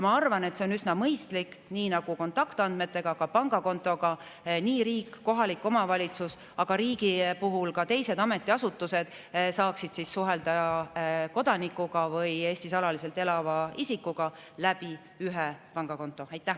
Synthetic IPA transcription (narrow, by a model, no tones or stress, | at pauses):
jmɑɑrvɑne̞t̪se̞o̞nysnɑmɤjst̪likniːnɑɡ̥uko̞nt̪ːˑɑkt̪ɑnd̪̥me̞t̪ːˑe̞ɡ̥ɑkɑpɑŋɡ̥ɑko̞nt̪ˑo̞ɡ̥ɑ | niːɾiːkːko̞ɦɑlikːˑo̞mɑvɑlʲit̪sus | ɑɡ̥ɑɾiːɡipuɦulkɑt̪e̞jse̞d̪ɑme̞t̪ːˑiɑsut̪ːˑuse̞d̪̥ | sɑːksid̪̥sisːuɦe̞ld̪ɑ | ko̞d̪ɑnikːˑuɡ̥ɑvɯje̞ːsʲt̪isɑlɑlise̞lt̪elɑvɑisikːˑuɡ̥ɑlæb̥i | yɦepɑŋɡ̥ɑko̞nt̪ːˑo̞ɑjt̪ːˑæ